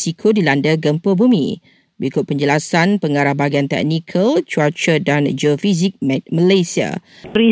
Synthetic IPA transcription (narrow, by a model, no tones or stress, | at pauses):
sikʰodilandəɡəmpəbumḭ̃ | bəɾikʊt̪̚pəɲd͡ʒəlasanpəŋaɾahbaɡiant̪ɛ̰k̚nikʰəlt͡ʃuat͡ʃədand͡ʒofizik̚mməlajsia̰ɾi